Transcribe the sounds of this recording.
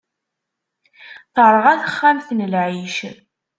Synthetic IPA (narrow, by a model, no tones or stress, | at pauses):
θəɾˤəʁæθəχːæmθnəlʕiʃ